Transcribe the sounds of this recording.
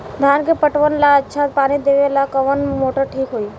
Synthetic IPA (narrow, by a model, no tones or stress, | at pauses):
d̪ʱjaːnkepəʈʋənlaətːʃʰat̪paːñid̪eʋelakəʋənmoːʈəɾʈʰiːkɦoːi